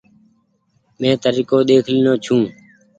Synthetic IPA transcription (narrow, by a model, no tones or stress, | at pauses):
mẽːt̪əɾiːkoːɗ̪eːkʰliːnõːt͡ʃʰũː